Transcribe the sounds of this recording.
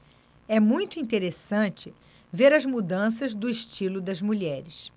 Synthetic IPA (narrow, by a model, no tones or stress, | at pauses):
ɛmũj̃t̪ʊĩnt̪eɾesɐ̃t͡ʃɪ | veɾɐzmud̪ɐ̃s̬ɐzd̪ʊiʃt͡ʃilʊd̪ɐzmuʎɛɾɪs